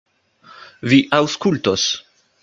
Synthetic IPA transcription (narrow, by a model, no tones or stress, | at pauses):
viʔawskultos